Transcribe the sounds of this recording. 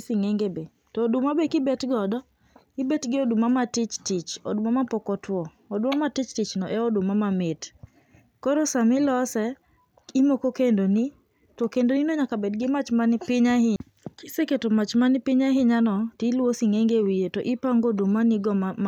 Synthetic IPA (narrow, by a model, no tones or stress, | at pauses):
siŋeŋɡebe | tɔːdʊmabekɪbɛtɡɔdɔ | ɪbɛtɡɪodumamatɪt͡ʃtɪt͡ʃɔ̰dʊmamapɔkɔtwɔ | ɔdʊmamatɪt͡ʃtɪt͡ʃnɔʔɛɔdʊmamamɪt | kɔɾɔsamɪlɔsɛ | imokokendoni | tɔkendoninoɲakabɛdɡɪmat͡ʃmanɪpɪɲahɪ | kɪseketomat͡ʃmanɪpɪɲaɦɪɲanɔtilwosiŋeŋɡewijetɔʔɪpaŋɡodumaniɡɔ